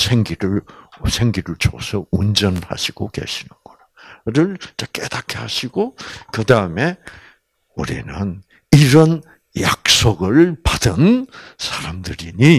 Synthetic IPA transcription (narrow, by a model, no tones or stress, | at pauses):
sʰeŋɡiɾɯɭsʰeŋɡiɾɯɭt͡ɕʰo̰sʰʌund͡ʑʌnha̰ɕʰiɡ̥oke̞̰ɕʰinɯnɡ̥ʌnaɾɯɭt͡ɕak͈ed̪akʰehaɕʰiɡokɯdaɯme | uɾḭnɯn | iɾʌn | ja̰k̚s͈oɡɯɭpadɯnsʰaɾamdɯɾiɲi